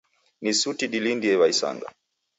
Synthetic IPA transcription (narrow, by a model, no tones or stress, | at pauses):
nisutiɗilindiɛwaisa̰ŋɡa̰